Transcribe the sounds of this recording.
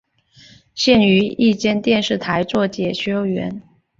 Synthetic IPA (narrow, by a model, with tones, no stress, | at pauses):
ɕjɛ˥˩ny˧˥i˥˧t͡ɕjɛ˥˧nt̪jɛ˥˧nʂɻ̩˥˩t̪ʰa˧˥ɪt͡swɔ˥˩t͡ɕjɛ˨˩ɕɛ˥o˥˩ʊɥɛ̰˧˥˦n